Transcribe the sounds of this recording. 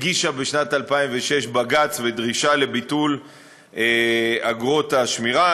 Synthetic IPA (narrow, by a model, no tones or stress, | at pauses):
ɡiʃabeʃnatalpaimveʃe̞ʃbaɡat͡sved̪ʁiʃale̞bitul | eaɡʁo̞taʃmiʁa